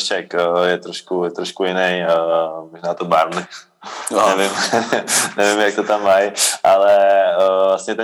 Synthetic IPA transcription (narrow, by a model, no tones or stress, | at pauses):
t͡ʃɛkːjɛt̪ɾoʃkujɛt̪ɾoʃkujɪnɛjmoʒnaːt̪obaɾnɪ | ɛvɪm | nɛvɪmjak̚t̪ot̪amːajʔalɛvlast̪ɲɛt̪ɛ